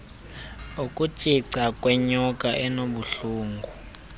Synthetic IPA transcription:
ukʼu̥t͡ʃʼiǀakʼwɛɲɔkʼaʔɛnoɓuɬuːŋɡʱu

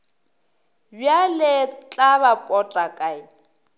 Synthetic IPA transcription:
bjalɪt͡ɬʼabapʼɔtʼakʼaɪ

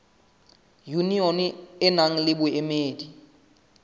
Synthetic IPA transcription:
juniɔnɪnaŋ̩lɪbʊemeːdi

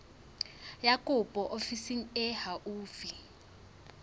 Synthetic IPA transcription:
jakʼupʼɔʔofisiŋ̩ɛhaʔuːfi

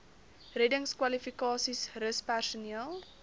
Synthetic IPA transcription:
rɛdəŋskwɐlifikɑːsisrəspærsuniəlˠ

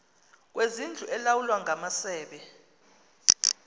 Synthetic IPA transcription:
k̬wezind͡ɮʱuʔɛlawulwaŋamasɛːɓɛ

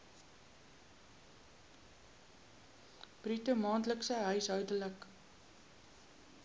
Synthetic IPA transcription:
b̥ritəmɑːntləksəɦœɥsɦœɥdələk

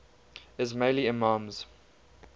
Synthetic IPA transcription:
ɪzmeɪliɪmɑ̃ːmz̥

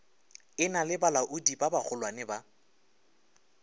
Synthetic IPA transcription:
ɪnalɪbalaʔʊdibabak͡xʰʊlwanɛba

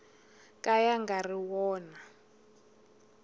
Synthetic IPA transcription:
kʼajaŋɡariwɔːna

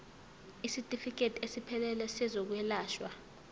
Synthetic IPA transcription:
isitʼifik̬ʼetʼiesipʰɛlɛlɛsɛzok̬wɛlaːʃwa

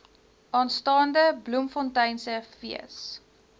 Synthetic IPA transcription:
ʔɑːnstɑːndəblumfɔntɐjnsəfiə̰s

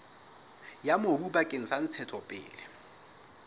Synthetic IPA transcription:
jamobubakʼɪŋ̩san̩t͡sʰɛtʰɔpʼɪ̰ːlɪ

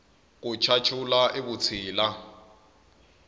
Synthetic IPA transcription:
k̬ʼʊt͡ʃʰat͡ʃʰʊlaʔɪbʊt͡sʰiːla

